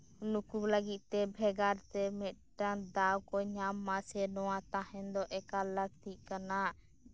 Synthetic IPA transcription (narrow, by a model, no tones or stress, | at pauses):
nukubləɡit̪̚ˀt̪ɛbʱɛɡaɾt̪ɛmɛt̪̚ʈand̪awkɔɲamːasɛnɔwat̪ahɛnd̪ɔʔɛkaləɡ̚t̪iʔ̚kanaʔ